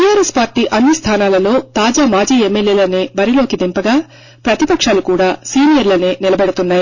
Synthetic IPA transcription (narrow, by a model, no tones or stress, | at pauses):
ʈijaːɾespaːɾʈiːʔɐnːist̪ʰaːnaːlɐlo̞ːt̪aːd͡ʒaːmaːd͡ʒiːemːeljeːlɐneːbɐɾilo̞ːkid̪impɐɡaː | pɾɐt̪ipɐkʂaːlukuːɽaːsiːnijɐɾlɐneːnilɐbɛɽɐt̪unːaːji